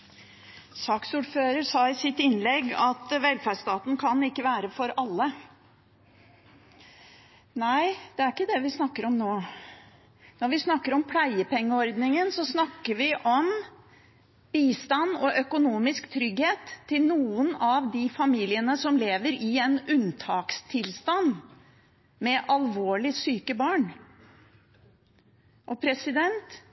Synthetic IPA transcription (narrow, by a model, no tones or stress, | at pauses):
sɑːksuːɖføːɾəɾsɑːɪsɪt̪ːɪnlɛɡːɑt̪ʋɛlfæɖʂt̪ɑːt̪n̩kʰɑnɪkːəʋæːɾəfɔɾɑlːə | næɪd̪̥ɛæɾɪkːəd̪ɛʋɪsnɑkːəɾɔmnoː | nɔɾʋɪsnɑkːəɾɔmpʰlæɪəpʰɛŋːəɔɾd̪nɪŋənsɔsnɑkːəɾʋɪʔɔm | b̥iːst̪ɑnːɔʔœkʊnuːmɪskt̪ʰɾʏɡheːt̪ʰːɪlnuːənɑʋd̪ifɑmiːlɪənəsɔmleːʋəɾɪɛnʉnt̪ʰɑːkst̪ʰɪlst̪ɑn | mɛʔɑlʋoːɭɪsyːkəbɑːɳ | ʔɔpʰɾɛsɪd̪ɛnt̪